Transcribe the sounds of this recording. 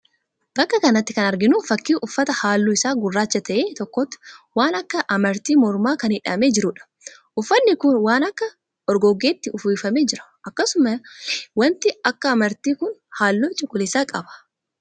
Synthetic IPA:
b̥ɐkːɐkɐnɐt̪ːɪ̥kɐnɐɾɡɪnufɐkːiːʔʊfːɐt̪ɐhaːlːuːɪsaːɡʊrːaːt͡ʃːɐt̪ɐʔeːt̪ɔkːɔt̪ːwaːnɐkːɐʔɐmɐɾt̪iːmɔɾmaːkɐnhɪᶑɐ̰me̞ːd͡ʒɪɾʊᶑɐ̥ | ʔʊfːɐnːɪkʊnwaːnɐkːɐ | ʔɔɾɡɔɡe̞ːt̪ːɪʊfiːfɐme̞ːd͡ʒɪɾɐ̥ʔɐkːɐsʊmɐwɐnt̪ɪɐkːɐːmɐɾt̪iːkʊnhaːlːoːt͡ʃʼʊkʼːʊlɪsaːkʼɐbɐ̥

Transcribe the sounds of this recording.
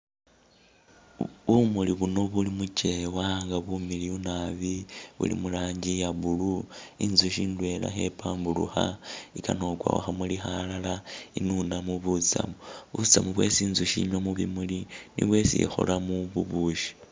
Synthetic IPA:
βumuliβuno̞βulimut͡ʃe̞waŋɡaβumiliunaβiβṵlḭmulaːɲɟijaβuluinzuʃiːndwe̞la̰xe̞paːmbulṵxa̰ikano̞kwa̰wa̰xamulixalalainunamuβut͡sa̰muβut͡samuβwe̞̰siːnzuʃḭɲwamuβimulinḭβwe̞sḭxo̰lamuβuβuʃi̥

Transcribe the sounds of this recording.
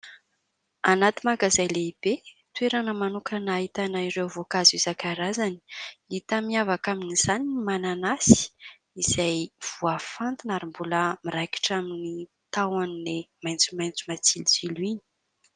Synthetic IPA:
anat̪imaɡazajleib̥e | t̪ueɾanəmanukanait̪anaiɾewvokazizakaɾazani̥it̪amiavakaminiz̥aniimananasi̥ | izajv̥uafant̪inaɾimbuləmiɾajki̥ʈ͡ʂamini | t̪awaninemajnt͡sumajnt͡sumat͡siliziluini̥

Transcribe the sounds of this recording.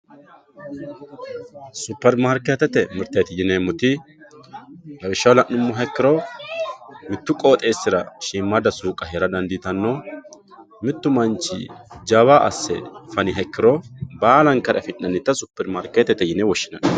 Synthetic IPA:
sʊpːɛɾmaːɾkeːt̪ːɛt̪ɛmɪɾt̪ɐjt̪ɪjɪneːmʊt̪ɪ | lɐwɪʃːɐwlɐnːʊmːʊɦɛkːɪɾɔ | mɪt̪ːʊkʼo̞ːt̪ʼe̞ːsːɪɾɐ̰ʃiːmːad̪ɐsuːkʼɐɦeːɾɐd̪ɐnd̪ɪt̪ɐnːo | mɪt̪ːʊmɐnt͡ʃɪ̰d͡ʒɐbaːʔɐ̰sːɛ̰fɐnɪɦɛkːɪɾɔbaːlɐŋkɐɾʔɐfɪnːɐnːɪt̪ːɐsʊpːɛɾmaːɾkeːt̪ːɛt̪ːɛjɪnɛwɔʃːɪnɐn

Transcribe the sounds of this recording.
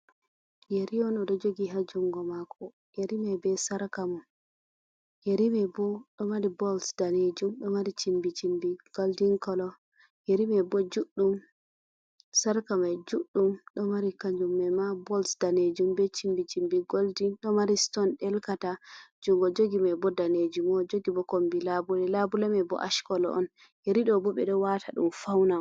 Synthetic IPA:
jeɾiɔnɔɗɔd͡ʒoɡiɦad͡ʒuŋɡɔmakʰɔ | jeɾimabɛsaɾkamɔ | jeɾimɛbɔɗɔmaɾibɔlsd̥aned͡ʒumɗɔmaɾit͡ʃimbit͡ʃimbiɡ̥oldiŋkɔlɔ | jeɾimɛbɔd͡ʒuɗːum | saɾkamajd͡ʒuɗːumɗɔmaɾikaɲd͡ʒumːɛmabɔlsdaned͡ʒumbɛt͡ʃimbit͡ʃimbiɡoldinɗɔmaɾistɔnɗɛlkatad͡ʒuŋɡɔd͡ʒoɡimajbɔdaned͡ʒumɔd͡ʒoɡibɔkombilabulɛlabulɛmɛbɔ̰ʔaʃkɔlɔ̰ʔɔ̰n | jeɾiɗɔbɔɓɛɗɔwatʰaɗṵmfawna

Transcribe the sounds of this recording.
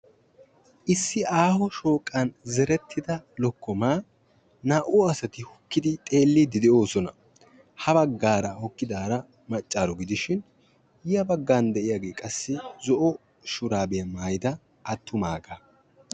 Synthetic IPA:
ʔɪsːɪʔaːhɔʃo̞ːkʼːɐnzɛɾɛt̪ʰːɪd̪ɐlɔkːɔmaː | naːʔʊɐsɐt̪ɪhɔkːɪd̪ɪt̪ʼe̞ːlːɪd̪ɪd̪ɪo̞ːsɔnɐ | hɐbɐɡːaːɾɐhɔkːɪd̪aːɾɐ | mɐt͡ʃʼːaːɾɔɡɪd̪ɪʃɪn | jɪjɐbɐɡːaːnd̪ɛʔɪjaːɡe̞ːkʼɐsːɪzɔʔɔ | ʃʊɾaːbɛjɐmaːjd̪ɐ | ʔːt̪ʰːʊmaːɡɐ

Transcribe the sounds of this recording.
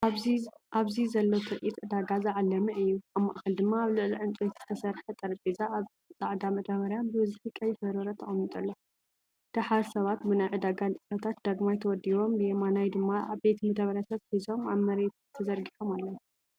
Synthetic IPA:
ʔaβzizɐlːot̪ʰɨɾʔit̪ʼʕɨd̪aɡazɨʕalːɐmɨʔɨjːuamːaʔxɐld̪ɨmːaːβlɨʕliʕɨnt͡sʼet̪z̥ɨ̥t̪ʰɐsɐɾħɐt̪ʼɐɾpʼizaːβ | t͡sʼaʕd̪amɐt̪ʰɐβɐɾjambɨwɨzħikʼɐjɪfɐɾɐɾɐt̪ʰɐʔʼɐnːɨt̪ʼɐlːo | d̪̥aħaɾsɐβat̪bɨnajʕɨd̪aɡant͡sʼɨsɐt̪ʰat̪̚d̪̥aɡmajt̪ʰɐwɔd̪iβo̞mbɨjemanajd̪ɨmːaa̰βbe̞t̪mɐt̪ʰɐβɐɾjasʰat̪ħizo̞maβmɐɾe̞t̪t̪ʰɐzɐɾɡiħomalːɐw

